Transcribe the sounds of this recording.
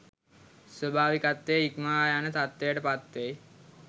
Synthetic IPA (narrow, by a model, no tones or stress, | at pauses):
swobʱaːʋikat̪ːejikmajanət̪at̪ːejəʈəpat̪ːej